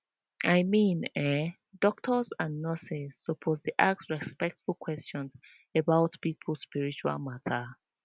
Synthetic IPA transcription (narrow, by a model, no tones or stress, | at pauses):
ʔaɪmĩnɛ | dɔk̚tʰɔzãnːɔsɛz̥ːopʰozdiʔak̚sɹɛspɛk̚tfulˠkʰwɛst͡ʃɔ̃nz | ebaʊtpipʰlˠspiɹit͡ʃua̰lˠmatʰə